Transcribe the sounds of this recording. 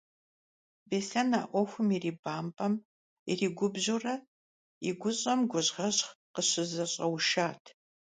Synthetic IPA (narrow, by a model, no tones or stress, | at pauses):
beːɬɐna̰ːʔʷɔxʷʊmiriːbaːmpʼɐm | ḭriːɡʷʊbʑurɐ | iɡʷʊɕʼɐmɡʷʊʑʁɐɕχqəɕɪzɐɕʼɐwʃaːtʰ